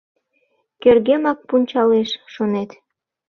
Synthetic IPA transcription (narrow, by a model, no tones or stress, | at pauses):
kerɣemɑk̚punʲt͡ɕɑleʃʃonet̪